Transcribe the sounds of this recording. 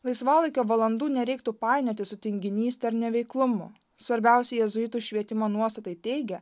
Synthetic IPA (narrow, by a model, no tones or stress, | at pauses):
lˠɐɪsʋɑːlˠɐɪkʲoːʋɐlˠɐnd̪uːnʲɛɾʲɛɪk̚t̪upɑˑɪnʲoːt̪ʲɪsʊt̪ʲɪŋʲɡʲɪnʲiːst̪ʲɛɾnʲɛʋʲɛɪklˠʊmʊ̰ | sʋɐɾʲbʲɛˑʊsʲɛjɛzʊɪt̪uːʃʲʋʲiɛt̪ʲɪmoːnuɔst̪ɐt̪ɐɪt̪ʲɛɪɡʲɛ